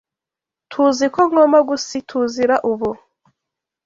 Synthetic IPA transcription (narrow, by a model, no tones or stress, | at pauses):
tʰuzikoŋɡomaɡusitʰuziɾaʔuβu